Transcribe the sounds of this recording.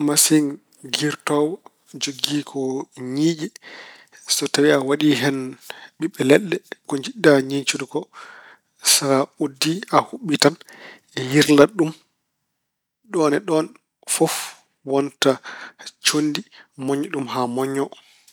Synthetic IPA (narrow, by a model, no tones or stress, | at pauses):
masin | ɡiɾtɔwɔ | d͡ʒoɡiːkʰɔɲiːd͡ʒɛ | sɔtawiawaɗiɦɛnɓiɓːɛlɛɗːɛkɔɲd͡ʒiɗːaɲiɲt͡ʃudukɔ | saɾaudːiahuɓːitan | ɛjiɾlaɗum | ɗɔːnɛɗɔn | fɔf | wɔntat͡ʃondimɔɲːɔɗumɦamɔɲːɔ